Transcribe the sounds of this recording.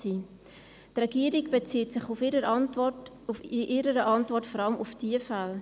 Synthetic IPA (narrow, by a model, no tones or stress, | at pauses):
iː | trɛɡiəɾiɡb̥et͡siətsɪχufɾə | ʔɪɾəɾəʔɑntvɔrtfɔɾɑləmʔufd̥iəfal